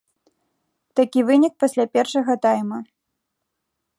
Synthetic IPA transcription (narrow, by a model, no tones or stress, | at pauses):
t̪akʲivɨnʲik̚pasʲlʲapʲɛrʂɐɣɐt̪ajmɐ